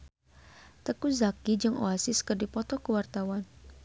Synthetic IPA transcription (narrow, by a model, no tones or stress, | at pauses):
t̪əkuzakid͡ʒɨŋʔo̰asɪskərdipɔt̪ɔkəwart̪awan